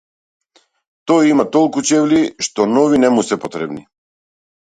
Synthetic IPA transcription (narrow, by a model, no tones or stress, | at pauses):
t̪ɔjimat̪ɔlˠkut͡ʃɛvliʃt̪ɔnɔvinɛmusɛpɔt̪ɾɛbni